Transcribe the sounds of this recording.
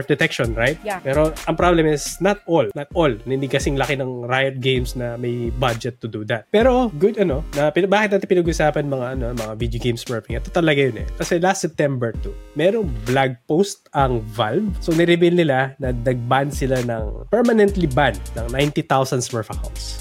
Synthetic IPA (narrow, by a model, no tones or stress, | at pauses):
fd̪ɛt̪ɛkʃonɹajt̪̚pɛːɾo̞ʔɐŋpɾablɛmɪsnɐt̪̚olnɐt̪̚olnɪnɪkɐsɪŋlɐkɪnɐŋɾajɐt̪̚ɡejmsnɐmɐjbad͡ʒɛt̪ːʊd̪ud̪ɐt̪̚pɛːɾo̞ɡʊd̪ɐno̞nɐpɪnɐbaːkɪt̪naːt̪ɪpɪnɐɡʊʊsaːpɐnmɐŋaʔɐno̞mɐŋavid̪joɡejmsmɛɹfɪŋʔɛt̪ːot̪ɐlɐɡajonɛ̰kɐsɛlast̪sɛp̚t̪ɛmbɛɹt̪umɛɾoŋblaɡ̚post̪ɐŋvalvsonɪɾɪbilnɪlanɐd̪ɐɡ̚band̪sɪlanɐ̰ŋpɛɹmɐnɛnt̪liband̪nɐŋnajnt̪it̪awsɐnsmɛɹfɐka̰wnt̪s